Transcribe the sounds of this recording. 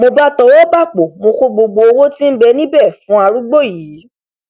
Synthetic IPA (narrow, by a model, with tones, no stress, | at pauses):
mo˧ba˦tɔ˧wo˦ba˦˨k͡po˨mo˧ko˦ɡ͡bo˧ɡ͡bo˧o˧wo˦tĩ˦m̩˦bɛ˧nĩ˦bɛ˦˨fũ˨˦a˧ɾu˦ɡ͡bo˦˨jiː˨˦